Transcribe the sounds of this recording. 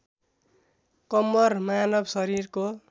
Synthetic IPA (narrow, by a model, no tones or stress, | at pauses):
kʌmːʌrmanʌbsʌɾirko